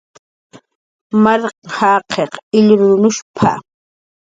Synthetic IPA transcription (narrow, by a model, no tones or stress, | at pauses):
maɾqhaːqʰeqɪʎɾʊʊnʊʃpʰa̰